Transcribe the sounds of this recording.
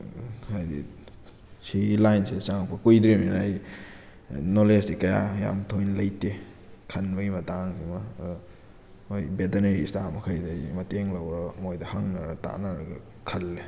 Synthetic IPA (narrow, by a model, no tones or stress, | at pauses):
hajdḭ | silajnsidt͡ʃaŋpɐkujdɾimenɐj | nolesdikɐja̰ja̰mtʰojnlɐjte | kʰɐnbɐjmɐtaŋkimɐ | ojbeteneɾistamɐkʰajdɐmɐteŋlɐwɾɐmojdɐhɐŋnɐɾɐta̰naɾɐ̰ɡɐ | kʰɐlːe